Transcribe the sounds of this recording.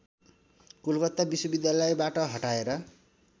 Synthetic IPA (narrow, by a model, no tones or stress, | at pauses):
kulkʌt̪ːabiswʌbid̪jalʌjbaʈʌɦʌʈaeɾʌ